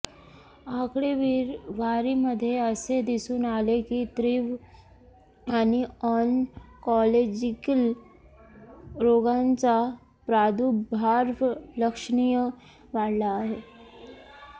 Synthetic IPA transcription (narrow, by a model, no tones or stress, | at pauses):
akɽeʋiːɾʋaɾiməd̪ʱːjeəsed̪isuːnalekit̪ɾiːʋ | aniɔnkɔled͡ʑikəl | ɾoɡãnt͡sa | pɾad̪ubʱaɾʋləkʂɳijə | ʋaɽlaːɦe